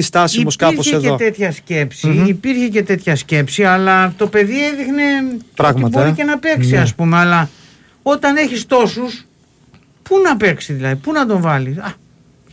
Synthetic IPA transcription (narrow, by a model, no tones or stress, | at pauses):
ist̪ɐsmoskɐoseeðeot̪e̞t̪çɐsce̞psiːpiɾçece̞t̪e̞t̪çɐsce̞psiɐlɐt̪o̞pe̞ðieðixne̞pɾɣmiɐt̪boɾice̞nɐpe̞ksiɐspumeɐlɐ | o̞t̪ɐne̞çist̪o̞sus | punɐpe̞ksiðilɐðipunɐt̪o̞ɱvɐlisɐ